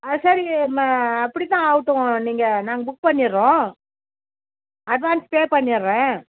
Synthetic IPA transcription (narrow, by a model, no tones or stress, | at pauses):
sɐɾimɐpːɐɽit̪ːãːaʋɯʈːʊ̃niːŋɡɐnaːŋɡɐbʊk̚pɐɳːɪɾːõː | ɐɖʋaːnspeːpɐɳːɪɾːɛ̃ː